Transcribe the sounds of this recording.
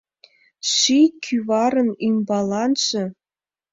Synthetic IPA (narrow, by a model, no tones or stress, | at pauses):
ʃikʰyβɑɾə̆nymbɑlˠɑnʒɤ̆